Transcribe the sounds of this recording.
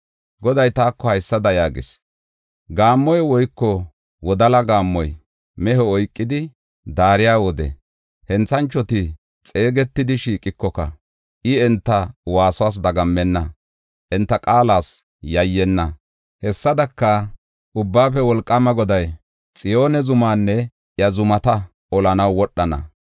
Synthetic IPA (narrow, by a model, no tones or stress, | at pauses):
ɡɔd̪ɐjt̪aːkːɔhɐjsːɐd̪ɐjaːɡɪ̰s | ɡaːmːɔjɛwɔjkːɔ | wɔd̪ɐlɐɡaːmːɔj | mɛɦɔɔjkʼːɪd̪ɪ | d̪aːɾɪjaːwɔd̪ɛ̰ | hɛnt͡sːɐnt͡ʃːɔt̪ɪ | t͡sʼe̞ːɡɛt̪ːɪd̪ɪʃiːkʼɪkːɔkɐ̰ | ʔɪɛnt̪ːɐwaːsʊwaːs̬d̪ɐɡɐmːɛnːɐ | ʔɛnt̪ːɐkʼaːlaːs | jɐjːɛnːɐ | hɛsːɐd̪ɐkːɐ | ʔʊbːaːfɛwɔlkʼːɐmɐɡɔd̪ɐj | t͡sʼɪjo̞ːnɛzʊmaːnːɛ | jɐzʊmɐt̪ɐ | ʔɔlɐnɐwːɔɗːɐnɐ̰